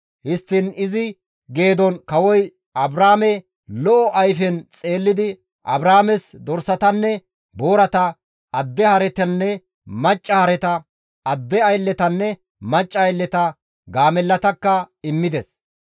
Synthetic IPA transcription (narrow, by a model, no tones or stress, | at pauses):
hɪst̪ːɪnɪzɪ | ɡe̞ːd̪ɔnkɐwɔj | ɐbɾaːmɛ | lɔʔɔʔɐjfɛnt͡sʼe̞ːlːɪd̪ɪ | ʔɐ̰bɾaːmɛsd̪ɔɾsɐt̪ɐnːɛ | bo̞ːɾɐt̪ɐː | d̪ːɛhɐɾɛt̪ɛnːɛ | mɐt͡ʃʼːɐhɐɾɛt̪ɐ | ɐd̪ːɛɐjlːɛt̪ɐnːɛ | mɐt͡ʃʼːɐːjlːɛt̪ɐ | ɡaːmɛlːɐt̪ɐkːɐɪmːɪd̪ɛs